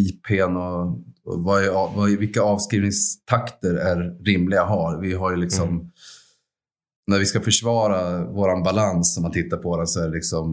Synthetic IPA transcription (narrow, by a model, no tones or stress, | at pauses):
iːpʰenɔ | vaɑvavɪkːaɑːvskɾiːvnɪŋst̪ʰakt̪əɾæɾːɪmlɪɡaɦɑɾvɪɦaɾjɵlɪksɔm | næɾvɪskafœʂvɑːɾavoːɾanbalansːɔmːant̪ʰɪt̪ːaɾpʰɔd̪ɛnsɔæɖɛlɪksɔm